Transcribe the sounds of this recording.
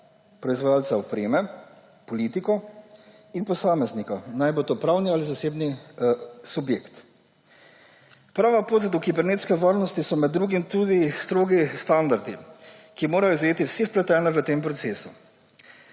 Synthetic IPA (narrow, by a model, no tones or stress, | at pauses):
pɾɔizʋajaːlt̪saɔpɾeːmɛ | pɔliːt̪ikɔ | inpɔsaːmɛznikanajbot̪opɾawnializaseːbni | subjeːkt̪ | pɾaːʋapozat̪ukibɛɾneːt̪skɛʋaɾnɔst̪isɔmɛd̪ːɾuːɡimt̪ud̪ist̪ɾoːɡist̪and̪aɾd̪ikimoːɾajɔzajeːt̪iwsexplɛt̪ɛːnɛʋət̪eːmpɾɔt̪seːsu